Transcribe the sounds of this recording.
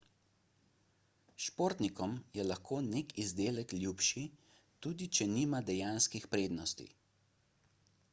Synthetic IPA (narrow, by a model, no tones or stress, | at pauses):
ʃpoːɾt̪nikɔmjɛlaxkʰoːneːkʰizd̪eːlɛklʲjuːpʃi | t̪uːd̪it͡ʃɛniːmad̪ɛjaːnskixpɾeːd̪nɔst̪ḭ